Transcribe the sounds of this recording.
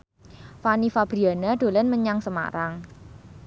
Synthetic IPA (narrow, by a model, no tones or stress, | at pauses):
fanifab̥ɾianaɖ̥o̤lɛnməɲaŋsəma̰ɾaŋ